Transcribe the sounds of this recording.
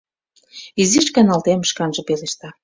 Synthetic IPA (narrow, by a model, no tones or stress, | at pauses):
iziʃkɑnɑlt̪emʃkɑnʒɤ̆peleʃt̪ɑ